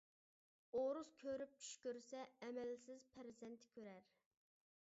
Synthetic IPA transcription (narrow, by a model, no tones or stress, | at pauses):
oɾuzkʲʰøɾyp̚t͡ʃʰy̥ʃkʲøɾsɛɛmɛlsɪzpʰæɾɪzɛnt̪ʰɪ̥kʲʰøɾæɾ